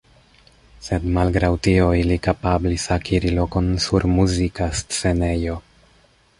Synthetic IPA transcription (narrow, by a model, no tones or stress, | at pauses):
se̞dmalɡɾawtio̞ilikapablisakʰiɾilo̞ko̞nsuɾmuzikast͡se̞ne̞jo̞